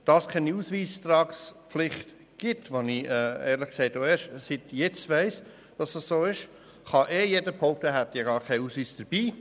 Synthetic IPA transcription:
d̥ɑskʰɛniuːsʋiːst̪ɾɑːksflɪχt | ɡ̥ɪtʋoniʔɛɛːɾlɪχksɛɪtoeːʃsɪtjɛt͡stʋɛɪs | d̥ɑsɑsːoːɪʃ | χɑʔɛːjedəpʰhoʊk̚tɛɦæt̪eɡɑːɾkʰɛɪuːsʋiːsd̥əɾb̥iː

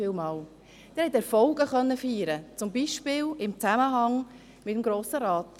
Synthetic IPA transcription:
ɪːlmɑːl | d̪̥ɛɾhɛt̪ɛɾfɔlɡ̥əχœnːəfyːɾət͡sʊmbiʃpɪːlɪmt͡sæməɦɑŋ | mɪtəmɡɾoːsəɾɑːt

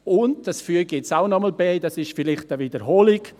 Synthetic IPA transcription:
ʊndd̥ɑsfyəɡɪtsaʊnɔməlbɛːdɑsɪʃfilɪχtəvidəɾɦoːlɪɡ

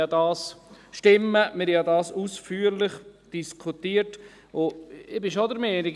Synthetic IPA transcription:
ɑdɑːsʃtɪmːəmɪɾjɑdɑːsusfyːəɾlɪχd̥iskʰutiːəɾt | ʊɪbɪʃod̪əɾmɛːnɪɡ

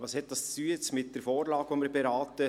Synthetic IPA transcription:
vɑːshɛt̚d̥ɑst͡styːt͡smɪt̚d̥əɾfoːɾlɑːɡvomɪɾbɛɾɑːtə

